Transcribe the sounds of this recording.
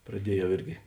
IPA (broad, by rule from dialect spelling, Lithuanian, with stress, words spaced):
prɐˈdʲiɛjɛʊ ˈɪrʲɡʲɪ